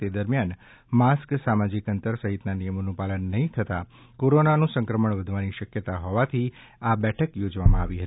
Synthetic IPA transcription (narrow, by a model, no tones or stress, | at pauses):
t̪ed̪əɾmjan | masksamad͡ʒikənt̪əɾsəɦit̪nanijəmonũpalənːəɦĩt̪ʰət̪a | koɾonanũsə̃ŋkɾəməɳʋəd̪ʱʋaniʃəkjət̪aɦɔʋat̪ʰi | abɛʈʰəkjod͡ʒʋamãaʋiɦət̪i